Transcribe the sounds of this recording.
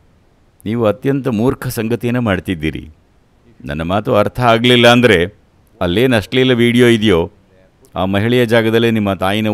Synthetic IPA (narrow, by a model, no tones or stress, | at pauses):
niːʋuɐt̪jɐnt̪ɐmuːɾkʰɐsɐŋɡɐt̪ijɐnːumaːɖt̪id̪ːḭːɾḭ | nɐ̰nːɐmaːt̪uɐɾt̪ʰɐaːɡlilːɐːnd̪ɐɾe̞ | ɐlːe̞ːnɐʂʈlilːɐʋiːɽijo̞ːid̪jo̞ː | aːmɐɦiɭɛjɐd͡ʒaːɡɐd̪ɐlːenimːɐt̪aːjinɐ